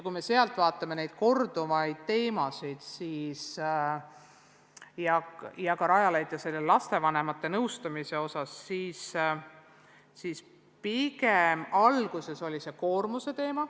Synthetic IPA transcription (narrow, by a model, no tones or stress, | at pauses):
jkujme̞se̞ɑlt̪ːˑvɑːt̪ːˑɑme̞ne̞jd̪̥̚ko̞rd̪̥uvɑjd̪̥̚t̪e̞ːmɑsid̪̥siːs | jɑjɑkɑɾɑjɑlejd̪jɑse̞lːelɑst̪e̞vɑne̞mɑt̪ːe̞nɤwst̪ɑmise̞o̞sɑsːiːs | siːs | piɡemɑlɡ̥use̞so̞lʲise̞ko̞ːrmuse̞t̪e̞ːmɑ